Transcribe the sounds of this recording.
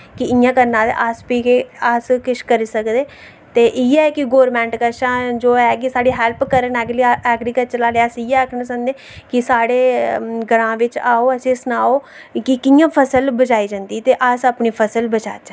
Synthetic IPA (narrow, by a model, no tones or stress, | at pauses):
kɪɪjãːkəɾnaːlḛʔaspiːkeəskɪʃkəɾiːsəkd̪eː | t̪eːʔɪːɛːkɪɡoːɾmɛ̃ːɳʈkəʃãːd͡ʒoːɛːkɪsaːɽiːɦɛːlpkəɾənɛːɡlːɛːɡɾikəʈ̚t͡ʃəlaːleːəsɪːɛːkʰnsənd̪eː | kɪsaːɽeːɡəɽãːʋɪt͡ʃaːoːəsẽːsnaːoː | kɪkɪjãːpʰəsəlbəd͡ʒaːiːd͡ʒãːnd̪iːt̪eːʔəsəpniːpʰəsəlbət͡ʃa̰ːt͡ʃa